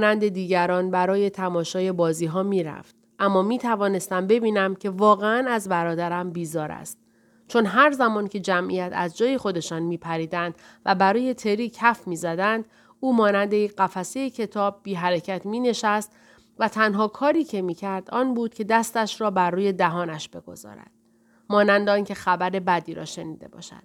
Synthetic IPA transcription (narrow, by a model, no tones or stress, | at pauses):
nænd̪e̞d̪iːɟæɾɒːnbæɾɒːje̞t̪ʰæmɒːʃɒːje̞bɒːziːɦɒːmiːɾæ̰ft̪ | ʔæmːɒːmiːt̪ʰævɒːne̞st̪æmbe̞biːnæmcʰe̞vɒːɣeænæzbæɾɒːd̪æɾæmbiːzɒːɾæ̰st̪̚ | t͡ʃʰo̞nɦæɾzæmɒːncʰe̞d͡ʒæmʔḭjæt̪ʰæzd͡ʒɒːje̞xo̞d̪e̞ʃɒːnmiːpʰæɾiːd̪ænd̪væbæɾɒːje̞t̪ʰe̞ɾiːcʰæfmiːzæd̪ænd̪ | uːmɒːnænd̪e̞jekɢæfæsejecʰe̞t̪ʰɒːb̚ːiːɦæɾecʰæt̪miːne̞ʃæst̪ | væt̪ʰænɦɒːkʰɒːɾiːcʰe̞miːcʰæɾd̪ɒːnbuːd̪̥̚kʲʰe̞d̪æst̪æʃɾɒːbærːuːje̞d̪æɦɒːnæʃb̥e̞ɡo̞̰zɒ̰ːɾæ̰d̪̥ | mɒːnænd̪ɒːnce̞xæbæɾe̞bæd̪iːɾɒ̰ːʃe̞niːd̪e̞̰bɒ̰ːʃæ̰d̪